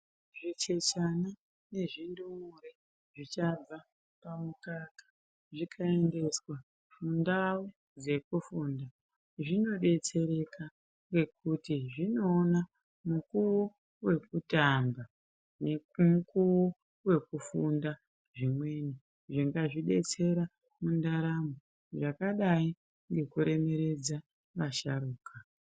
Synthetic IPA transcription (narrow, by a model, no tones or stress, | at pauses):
ʐit͡ʃe̞t͡ʃana | ne̞ʐindumuɾe | ʐ̥it͡ʃab͡va | pamukakḁ | ʐikʰae̞nde̞swa | fundawo | d͡ze̞kufunda | ʐino̞ɗe̞t͡se̞ɾe̞ka | ŋɡe̞k̚utiʐino̞ːna | mukuwo | we̞kutamba | nemukuwo | we̞kufunda | ʐimwe̞ni | ʐiŋɡaʐiɗe̞t͡se̞ɾa | mundaɾamo | ʐakaɗai | ŋɡe̞kuɾe̞me̞ɾe̞d͡za | ʋaʃaɾuːka